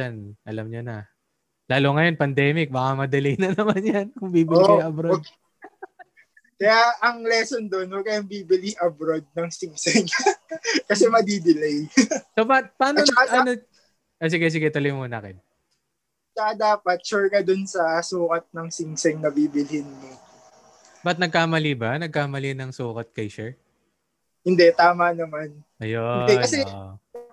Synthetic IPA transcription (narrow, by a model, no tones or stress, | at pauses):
anʔɐlɐmɲonɐ | laːloŋɐjo̞npɐnd̪ɛːmɪk̚bɐkamɐd̪ɪlɛjnɐnɐmanjɐnkʊŋbiːbɪiʔɐbɾod | kɐjaʔɐŋlɛːsond̪onokɐjaŋbiːbɪliʔɐbɾod̪̚nɐŋsiŋsɛŋ | kɐsɛmɐd̪id̪ɪlɛjsopapaːnoɐno | ʔos̬ɪɡɛs̬ɪɡɛt̪ɐlojmuːnɐkɛn̚ | t͡ʃɐkɐd̪aːpɐt̪̚t͡ʃʊɹkɐd̪ʊnsɐsuːkɐt̪̚nɐŋsɪŋsɛŋnɐbiːbɪlɪhɪnmɪ | bɐt̪̚nɐɡ̚kaːmɐlibanɐɡ̚kaːmɐlinɐŋsuːkɐt̪̚kɐjʃɛ | hɪnd̪ɛt̪aːmɐnɐmanʔɐjoɪnd̪ɛkɐsɛʔ